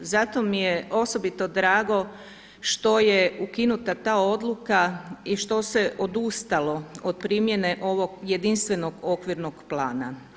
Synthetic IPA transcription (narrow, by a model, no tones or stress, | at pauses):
zat̪o̞mijeo̞so̞bit̪o̞d̪ɾaːɡo̞ | ʃt̪o̞jeukinut̪at̪aːo̞d̪lˠukaiʃt̪o̞se̞ʔod̪ust̪alo̞od̪̚pɾimje̞neʔo̞ʋo̞ɡje̞d̪inst̪ʋe̞no̞ɡokʋiɾno̞ɡ̥plaːna